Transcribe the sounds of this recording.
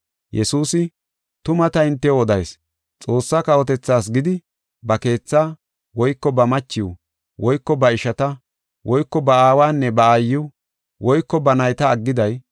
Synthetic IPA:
jʔɛsuːsɪ | t̪ʊmɐt̪ɐɪnt̪ːɛɔd̪ɐjs | t͡sʼo̞ːsːaːkɐwɔt̪̬ɛt͡sːaːs̬ɡɪd̪ɪ | bɐke̞ːt͡sːaː | wɔjkːɔbɐmɐt͡ʃːɪwu | wɔjkːɔbɐɪʃɐt̪ɐ | wʔɔjkːɔbɐaːwaːnːɛbɐaːjːʊ | wɔjkːɔbɐnɐjt̪ɐːɡːɪd̪ɐj

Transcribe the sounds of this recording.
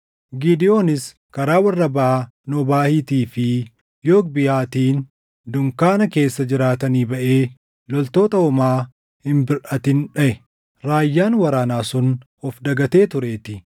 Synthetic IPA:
ɡiːd̪ɪjo̞ːnɪs | kɐɾaːwɐrːɐbɐʔa | nɔbaːhiːt̪iːfɪ | jo̞ːk̚bɪhaːt̪iːn | d̪ʊŋkaːnɐke̞ːsːɐd͡ʒɪɾaːt̪ɐniːbɐʔeː | lɔlt̪o̞ːt̪ɐɔmaː | hɪmbɪɾʔɐt̪ɪnᶑɐʔɛ | ɾaːjːaːnwɐɾaːnaːsʊn | ɔfd̪ɐɡɐt̪e̞ːt̪ʊɾe̞ːt̪ɪ

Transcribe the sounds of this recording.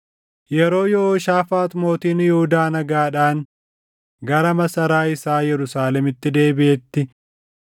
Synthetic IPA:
jɛɾo̞ːjɔːʃaːfaːt̪mo̞ːt̪iːnjɛhʊd̪aːnɐɡaːᶑaːŋ | ɡɐɾɐmɐsɐɾaːɪsaːjɛɾʊsaːlɛmɪt̪ːɪd̪e̞ːbɪʔɛt̪ːɪ

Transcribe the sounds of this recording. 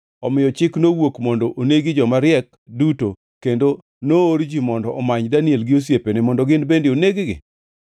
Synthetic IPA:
ɔmɪjɔt͡ʃɪknowokmɔndɔʔoneɡɪd͡ʒɔmaɾɪɛk | duto | kendo | nooɾd͡ʒimɔndɔʔɔmaɲdanɪelɡɪos̬jepenemɔndɔɡɪnbendɪoneɡɪɡɪ̰

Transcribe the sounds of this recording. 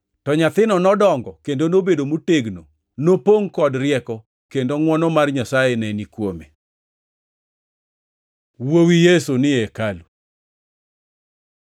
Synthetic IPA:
tɔɲat̪ɪnɔnɔdɔŋɡɔkendonobedomuteɡno | nopoŋkɔdrɪɛkɔ | kendoŋwɔnɔmarɲasajenɛnikwome | wowijesonɪɛkalu

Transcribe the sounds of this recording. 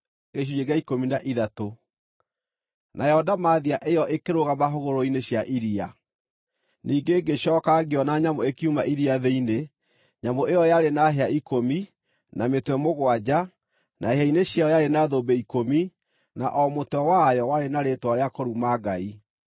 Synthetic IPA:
ɣeʃ̬ujeɣaikominaʔiðato | najɔdamaðiaʔejɔʔekeɾoɣamaɦoɣoɾoineɕjaʔiɾia | niːɡeɡeɕjɔːkaɣeɔnaɲamoekiumaʔiɾiaðeine | ɲamoejɔjaɾenaɦeaikomi | nametwɛmoɣwad͡ʑa | nʔaeɦaineɕjaɔjaɾenaðobeikomi | na̰ʔɔmotwɛwajɔwaɾenaɾetwaɾeakɔɾumaɡai

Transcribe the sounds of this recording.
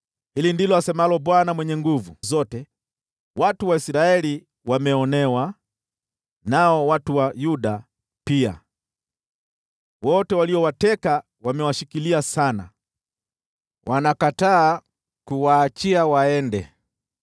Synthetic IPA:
hilindilɔasɛmalɔɓwanamwɛɲɛŋɡuvuzɔtɛ | watuwaisɾaɛli | wamɛɔnɛwa | naɔwatuwajuɗa | pia̰ | wɔtɛwaliɔwatɛka | wamɛwaʃikiliasana̰ | wʔanakataː | kuwaːt͡ʃiawaɛndɛ

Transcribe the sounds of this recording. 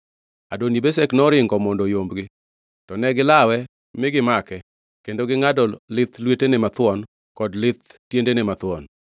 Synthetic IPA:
adonibesɛknɔɾɪŋɡɔmɔndɔjombɡɪ | tɔnɛɡɪlawɛ | mɪɡɪmakɛ | kendoɡɪŋadɔlɪt̪lwetenɪmat̪wɔn | kɔdlɪt̪tjendenɪmat̪wɔn

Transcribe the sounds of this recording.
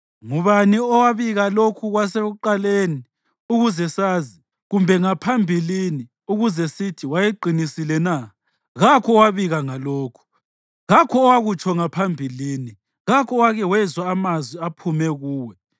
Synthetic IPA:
ŋuβaniɔwaβiɣalokʰuɣwas̬eɣuǃaleːni | uɣuzɛsaːzi | ɣumbʱɛŋapʰambʱilini | uɣuzɛsitʰiwajeǃʱinisilɛna | ɣakʰɔwaβiɣaŋaloːkʰu̥ | ɣakʰɔːwaɣut͡ʃʰɔŋapʰambʱiliːni | ɣakʰɔwaɣɛwɛzwaːmazwiapʰumɛɣuːwɛ

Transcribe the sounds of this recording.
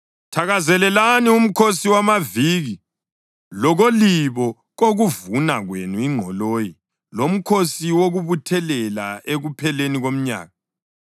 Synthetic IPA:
tʰaɣazɛlɛlanium̩kʰosiwamaviɣi | lɔɣoliβɔ | ɣoɣuvunaɣwenuiŋ͡ǃʱɔloːji | lom̩kʰosiwoɣuβutʰɛlɛla̰eɣupʰɛleniɣom̩ɲa̰ːɣa

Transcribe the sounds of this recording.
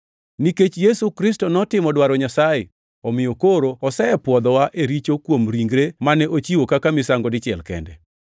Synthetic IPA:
niket͡ʃjesukɾɪstɔnɔtɪmɔdwaɾɔɲasaje | ɔmɪjokoɾoɔsɛɛpwɔd̪ɔwaʔeɾit͡ʃokwomɾiŋɡɾemanɛʔot͡ʃiwokakamɪsaŋɡɔdɪt͡ʃɪɛlkɛ̰ndɛ

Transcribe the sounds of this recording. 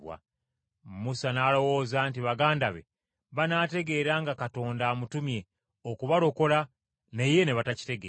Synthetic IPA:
wa̰ | musanaːlo̞wo̞zaːntiβaɡaːndaβḛ | βanaːte̞ɡe̞ːɾaːŋɡakato̞ːndaːmutumje̞ | okuβaɾo̞ko̞la | ne̞je̞ne̞βataci̥te̞ɡeː

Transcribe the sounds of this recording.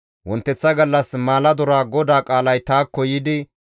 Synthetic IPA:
wɔnt̪ːɛt͡sːɐɡɐlːɐsmaːlɐd̪ɔɾaːɡɔd̪aːkʼaːlɐjt̪aːkːɔjɪd̪ɪ

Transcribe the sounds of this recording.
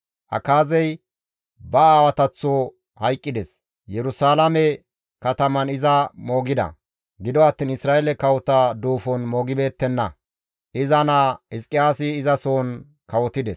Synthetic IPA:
ʔɐ̰kaːzɛj | bɐaːwɐt̪ɐt͡sːo | hɐjkʼːɪd̪ɛs | jɛɾʊsaːlɐmɛ | kɐt̪ɐmɐnɪzɐmo̞ːɡɪd̪ɐ̰ | ɡɪd̪ɔɐt̪ːiːnɪsɾaːelɛkɐwɔt̪ad̪uːfɔnmo̞ːɡɪbe̞ːt̪ːɛnːɐ̰ | ʔɪzɐnaɪskʼːɪjaːsɪːzɐsoːn | kɐwɔt̪ːɪd̪ɛs

